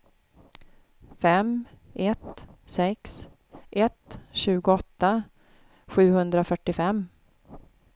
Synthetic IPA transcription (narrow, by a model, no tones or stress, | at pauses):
fɛmʔɛt̪sɛks | ʔɛt̪ɕʉ̟ːɡʊɔt̪ːa | ɧʉ̟ːhɵnd̪ɾafœʈːɪfɛmː